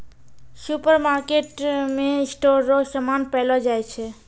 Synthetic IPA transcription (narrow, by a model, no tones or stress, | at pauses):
supəɾmaɾkeʈmesʈoɾːɔsəmanpɛɪlɔd͡ʒajt͡ʃʰɛ